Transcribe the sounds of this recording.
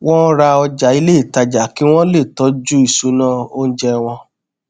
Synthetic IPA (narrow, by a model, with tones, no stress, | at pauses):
wɔ̃˦ɾa˧ɔ˧d͡ʒa˨i˨˧le˦i˦˨ta˧d͡ʒa˨ki˨˦w̃ɔ̃˦le˦˨tɔ˨˦d͡ʒu˦i˦˨su˧˦nãː˦˨o˦n̩˦d͡ʒɛ˧w̃ɔ̃˧